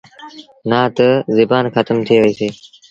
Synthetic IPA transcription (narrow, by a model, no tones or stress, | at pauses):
nãːt̪əzɪbaːnxət̪əmt̪ʰiːʋeːseː